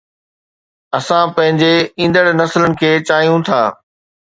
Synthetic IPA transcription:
ɐsãpɐ̃ɦɪ̃ɲd͡ʑeĩːn̆d̪əɽnɐslənɪ̆kʰeːt͡ɕaːjũt̪ʰaː

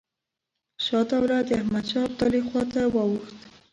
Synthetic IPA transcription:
ʃɑt̪awɾad̪ahmad̪ʃɑb̚t̪ɑlixwɑt̪awɑwuxt̪

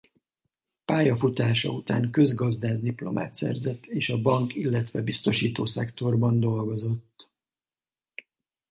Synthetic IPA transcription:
paːjɒfut̪aːʃɒ̰ut̪aːŋkø̞zɡɒzd̪aːzd̪iplo̞̰mʔa̰ːt̪sɛ̰rzɛt̪ːeːʃɒbɒŋkilːɛt̪ʋɛbist̪o̞ʃiːt̪oːsɛkt̪o̞rbɒnd̪o̞lɡo̞zo̞t̪ː

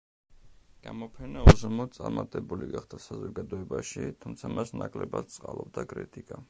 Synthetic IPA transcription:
ɡ̥amɔpʰɛnauzmɔsʼaɾmat̪ʼɛbuliɡaχd̪asazɔɡad̪ɔɛbaʃit̪ʰumt̪sʰamasnakʼlɛbad̪̚t̪sʼqʼalˠɔb̚d̪akʼɾit̪ʼikʼa

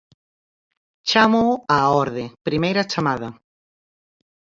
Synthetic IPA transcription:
t͡ʃamoaɔɾðɪpɾimejɾɐt͡ʃamaðɐ

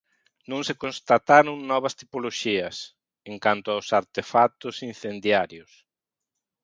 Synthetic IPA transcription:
nõŋsekonst̪at̪aɾʊŋnɔβɐst̪ipoloʃiɐs | eŋkant̪ʊawsaɾt̪efat̪ʊsinθend̪jaɾjʊs

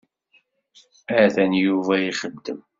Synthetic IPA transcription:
æðænjuvæjiχəd̪ːəm

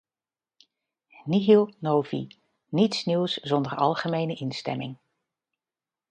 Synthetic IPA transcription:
niɦilˠnowvḭ | nitsniwszɔndərɑ̰lˠχəmejnəʔɪnstɛ̰mɪŋ

